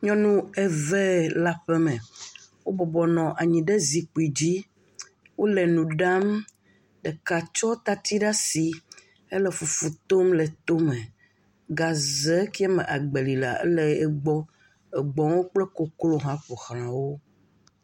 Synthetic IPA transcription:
ɲɔ̃˦nũ˦ɛ˨vɛ˦˨la˦ɸɛ˦mɛ̃˨wo˦bɔ˨bɔ˨nɔ̃˨ʔa˨ɲĩ˨ɖɛ˦zi˨k͡pi˨d͡ʑi˦ | wo˦lɛ˨nũ˨ɖa˦m | ɖɛ˨ka˨t͡ʃɔ˦t̪a˨t̪i˦ɖa˦si˨ | ɛ˦lɛ˦fu˨fu˨t̪o˦mlɛ˨t̪o˦mɛ̃˨ | ɡa˨zɛ˦ki˦a˦mɛ˨ʔa˨ɡ͡be˨li˨la̰˨ḛ˦lɛ˦˨e˦ɡ͡bɔ˦ | ɛ˨ɡ͡bɔ̃˦wo˦k͡plɛ˦ko˦klo˦ɦã˦ɸo˨xɾ̃ã˨wo˦

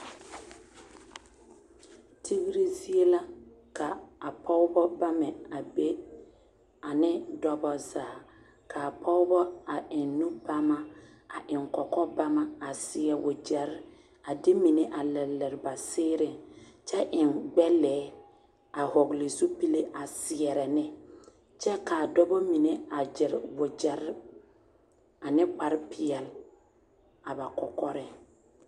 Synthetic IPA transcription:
tʰi˦ɣɾi˦zi˦e˦la˦ | ka˨a˨pʰɔ˦ʊ˦bɔ˦ba˦mɛ˨a˨be˦ | a˨nɪ˦dɔ˦bɔ˨zaː˨ | kʰa˨a˨pʰɔ˦ʊ˦bɔ˦a˨ʔɪ˨nːũ˦ba˦ma˦ | a˨ʔɪ˨ŋkɔ˨kɔ˦ba˦ma˦a˨sɪ˦ɛ˨wʊ˨d͡ʒɛ˨ɾɪ˦ | a˨dɪ˦mi˨ne˦ʔa˨lɛ˨lːɛ˨ɾɪ˨ba˨sɪː˦ɾɪ˦ŋt͡ʃɛ˦ʔɪ˨nɡ͡bɛ˦lɛː˨˦ | a˨hɔ˨ɡlɪ˨su˦pi˦le˦ʔa˨sɪ˨ɛ˨ɾɛ˨nɪ˦ | t͡ʃɛ˦kaː˨dɔ˦bɔ˦mi˨ne˦a˨d͡ʒɪ˨ɾ̰wʊ˨d͡ʒɛ˨ɾ | a˨nɪ˦k͡pa˦ɾɪ˦pʰɪ˨ɛ˨l | a˨ba˨kɔ˨kɔ˦ɾɪ˦

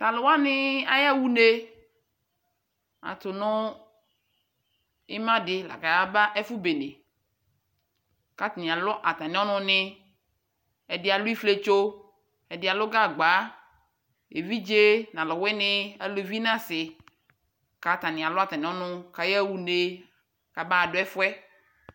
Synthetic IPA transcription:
t̪a˨lo˨˦wa˦nɪ̃˦a˦ja˦wu˦ne˦ | a̰˨t̪ʊ˨nɔ̃˦ | e˦mã˦ɖɪ˨la̰˨ka˨ja˦ba˦ʔɛ˦fu˦be˨ne˨ | ka˦t̪nĩ˨a˨lɔ˦ʔa˨t̪ã˨nĩ˦ɔ˦nʊ̃˦nɪ̃˦ | ɛ˨dɪ˦a˨lu˦i˦fle˦t͡ʃo˦ | ɛ˨dɪ˨a˨lo˦ɡa˦˨ɡ͡ba˨˦ | e˨vi˦d͡ʒe˦nã˨lɔ˨wɛ˦nɪ̃˦ɛ˦lo˦˨vi˦nã˦sɪ˨ | ka˨t̪ã˨nĩ˨a˨lɔ˦a˨t̪ã˨nẽ˨˦ɔ̃˦nʊ̃˦ka˨jɛ˦wu˨ne˨ | ka˨ba˦a˨ɖo˨˦ɛ˦fwɛ˦

